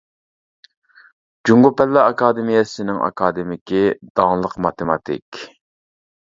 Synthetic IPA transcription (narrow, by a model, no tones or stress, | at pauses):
d͡ʒuŋɡupɛlːɑɑkʰɑːd̪ɪmijɛsɪnɪŋʔɑ̰kʰɑd̪ɪmɪkʲid̪̥ɑŋlˠəqmɑt̪ʰɪmɑt̪ʰɪ̰kʲ